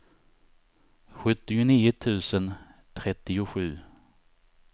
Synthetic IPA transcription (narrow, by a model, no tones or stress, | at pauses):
ɧɵt̪ːɪʊniːʊt̪ʰʉ̟ːsənt̪ʰɾɛt̪ːɪʊɧʉ̟ː